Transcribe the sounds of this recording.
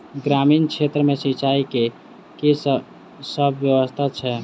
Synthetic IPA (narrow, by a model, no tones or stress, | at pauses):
ɡɾaminkʰet̪ɾəmesit͡ʃaike | kes | səbʱʋjəwəst̪ʰat͡ʃʰɛ